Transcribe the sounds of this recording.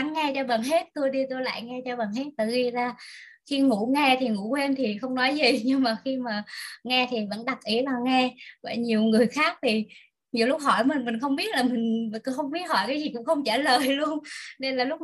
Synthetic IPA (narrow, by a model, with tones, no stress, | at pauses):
a˨˦ŋːɛ˧t͡ɕɔ˧ɓə˨˩nɦe˦˥t̚t̪u˧jɗi˧t̪u˧jla̰ː˧˨jŋɛ˧t͡ɕɔ˧ɓə˨˩nɦe˦˥t̚t̪ɨ̰˧˨˩ɣi˧zaː˨˩ | xi˧ŋṵ˧˥ŋɛ˧t̪ʰi˨˩ŋṵ˧˥kwe˧nt̪ʰi˨˩xə˧wŋ͡mnɔ˨˦jzi˨˩ɲɨ˧ŋmaː˨˩xi˧maː˨˩ŋɛ˧t̪ʰi˨˩və̰˧˥nɗa˨˩k̚ʔi˨˦əlaː˨˩ŋɛ˧və̰ː˧˩ɲi˨˩əwŋɨ˨˩əjxaː˦˥k̚t̪ʰi˨˩ | ɲi˨˩əwlʊ˦˥k͡p̚hɔ˧˩jmï˨˩ŋ̟mi˨˩ŋ̟xə˧wŋ͡mɓi˦˥ət̚laː˨˩mï˨˩ŋ̟˨˧˦xə˧wŋ͡mɓi˦˥ət̚hɔ˧˩jkaː˨˦jzi˨˩kʊ̰˧˥ŋ͡mxə˧wŋ͡mt͡ɕaː˧˩ləː˨˩jlu˧ənne˧nlaː˨˩lʊ˦˥k͡p̚